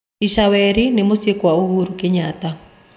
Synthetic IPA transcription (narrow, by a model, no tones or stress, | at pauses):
iʃawɛɾinɪmosjekwaohuɾukɪɲata